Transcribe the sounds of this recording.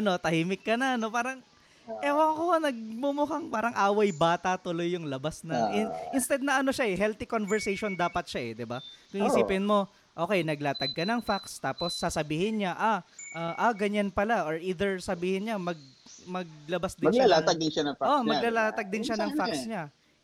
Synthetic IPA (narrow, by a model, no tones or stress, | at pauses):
ʔɐno̞t̪ɐhiːmɪkːɐnɐno̞paːɾɐŋ | ʔɛokoanɐɡ̚mumʊɦaŋpaːɾɐŋʔaːwɐjbaːt̪ɐt̪ʊlo̞jːʊŋlɐbasnɐŋɪʔɪnst̪ɛd̪̚nɐʔɐno̞ʃaʔɛɦɛlt̪ɪkonvɛɹsɛjʃond̪aːpɐt̪̚ʃaʔɛd̪ɪbakʊŋiːsiːpɪnmo̞ | ʔo̞ːkɛjnɐɡlaːt̪ɐɡ̚kɐnɐŋfakst̪aːpo̞sːasɐbiːhɪnɲaʔaʔaʔaɡɐɲanpɐlaʔoɹʔiːd̪ɛɹsɐbiːhɪnɲamɐɡ̚mɐɡ̚lɐbasd̪ɪalaaɡ̚d̪ɪnʃanɐŋfaʔomɐlalaːt̪ɐɡ̚d̪ɪnʃanɐŋfaksɲa